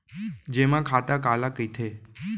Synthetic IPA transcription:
d͡ʒemãkʰat̪akalakəjt̪ʰe

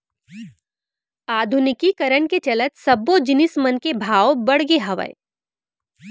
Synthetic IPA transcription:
aːd̪ʱʊnɪkikɐɾəɳket͡ʃɐlət̪sɐbːod͡ʒɪnɪsmənkebʱaːʋobɐɽɡeɦɐʋə̰ḛ

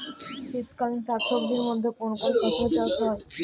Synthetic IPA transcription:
ʃit̪kalinʃat̪ʃokd̪iɾmod̪ʱːekonkoɾepaʃot͡ɕaʃɦɔe

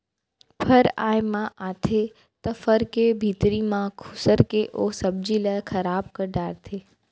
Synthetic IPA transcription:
pʰɐɾa̰ːɪmãaːt̪ʰe | t̪ɐfɐɾkebʱiːt̪ɾimãkʰʊsəɾkeʔoːsɐb̚d͡ʑilaːɪxʰɐɾaːbkɐɖaːɾt̪ʰeː

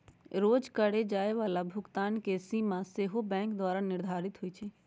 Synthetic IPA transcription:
ɾoːd͡ʒkəɽed͡ʒaːeʋaːlabʱʊɡt̪aːnkesiːmãseɦobɛ̃ːŋkd̪waːɾanɪɾd̪ʱaːɾɪt̪ɦʊit͡ʃʰɛː

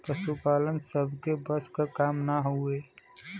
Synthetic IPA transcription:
pɾəʃupaːlənsəbʱkebəskakaːmnaɦʊeː

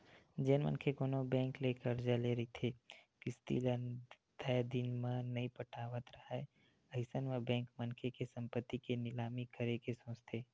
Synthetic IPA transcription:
d͡ʒɛːnmə̰nkʰekoːnobɛ̃ːŋkleːkəɾd͡ʒaleɾɐit̪ʰeːkɪst̪ḭːlən | t̪ɛjd̪ɪnmãnɐɦĩpəʈʰaːʋət̪ɾɐɦae | ɐɦɪsənmebɛ̃ːŋkmənkʰekesɐ̃mpət̪ːikenɪlaːmikəɾekesõːt͡ʃt̪ʰeː

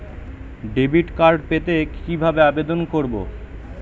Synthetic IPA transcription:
ɖebiʈkaɾɖpet̪ekibʱabeabed̪onkoɾbo̰

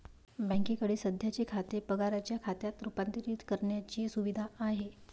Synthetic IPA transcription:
bãŋkikəɽiːsəd̪ʱjat͡ɕekʰat̪epəɡaɾat͡ɕjakʰat̪jat̪ɾupant̪iɾiːt̪kəɾɳjat͡ɕiːsuʋid̪ʱaːɦe

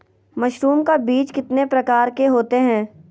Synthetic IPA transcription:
mɐʃɾuːmkabiːt͡ʃkɪt̪nepɾɐkaːɾkeɦoːt̪eɦɛ̃ː

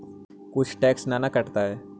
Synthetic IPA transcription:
kʊt͡ʃʰʈɛːksnanakəʈt̪aɦɛ

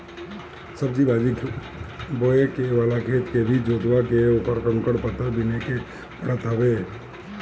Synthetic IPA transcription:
səb̚d͡ʒibaːd͡ʒikʰ | boːekeʋaːlakʰeːt̪kebʱid͡ʒoːt̪ʋakeʊpəɾkəŋkəɽpət̪ːəbineke | pɾət̪əʋeː

